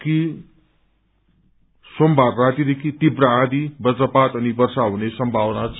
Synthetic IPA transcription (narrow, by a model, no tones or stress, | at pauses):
ki | sombʱarrat̪id̪ekʰit̪ipɾaãd̪ibʌt͡sʌpat̪ʌnibʌrsaɦunesʌmbʱabʌnat͡sʰ